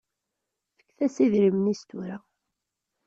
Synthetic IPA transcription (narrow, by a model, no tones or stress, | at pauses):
fə̥kːθæsiðɾimnist̪uɾæ